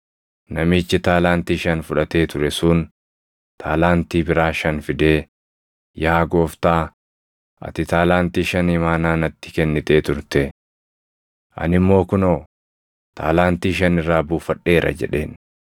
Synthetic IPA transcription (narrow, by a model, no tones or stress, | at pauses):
nɐmiːt͡ʃːɪt̪aːlaːnt̪iːʃɐnfʊᶑɐt̪e̞ːt̪ʊɾɛsʊːn | t̪ʰaːlaːnt̪iːbɪɾaːʃɐnfɪd̪e̞ː | jaːɡo̞ːft̪aː | ʔɐ̰t̪ɪt̪aːlaːnt̪iːʃɐnhɪmaːnaːnɐt̪ːɪ̥kɛnːɪt̪e̞ːt̪ʊɾt̪ɛ | ʔɐ̰nɪmːo̞ːkʊnoː | t̪ʰa̰ːlaːnt̪iːʃɐnɪrːaːbuːfɐᶑːe̞ːɾʔɐ̰d͡ʒɛ̰ᶑe̞ːn